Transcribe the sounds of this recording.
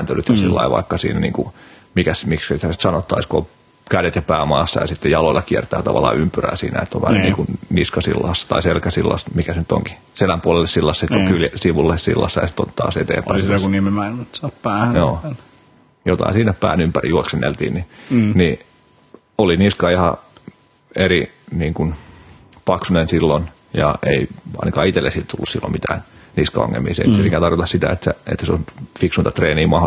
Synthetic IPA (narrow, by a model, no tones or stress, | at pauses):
æːnt̪ølyt̪jɑsilːɑ̰iʋɑ̰ikːɑsḭːnænḭːŋku | mikæsmikskæit̪ːæsi̥t̪sɑnot̪ːɑiskoo | kælet̪jɑpæːmɑːsːɑ̰jɑ̰sit̪ːejɑloilːˑɑkiɛrt̪æːt̪ɑʋɑlːˑɑ̰ːympyræ̰ːsḭːnæ̰et̪ːoʋʋæ̰nyniːkunniskɑsḭlːɑsːɑ̥t̪ɑiselkæsilːɑ̰st̪mikæsenyt̪ːo̰ŋki̥ | selæmpuolelːesilːɑsːɑsit̪ːoŋkyljsiʋulːessḭlːɑ̰sːɑjɑ̰si̥t̪ːont̪ɑ̰ːset̪ḛːmpæisit̪okunimemæimæt̪sɑppæːhæjoː | jot̪ɑ̰insiːnæppæ̰ːnympærḭjuoksenːḛlt̪ḭːnnini | oliniskɑihɑ | eriniːŋkun | pɑksunensilːon | jɑ̰eiɑ̰inɑkɑːit̪elːesit̪t̪ulːusilːo̰mit̪æ̰ːnniskɑo̰ŋːḛlmːˑiːsḛnyesikæt̪ɑrjot̪ɑssit̪æ̰et̪ːæḛt̪ːæseonfiksunt̪ɑt̪reːniːmɑho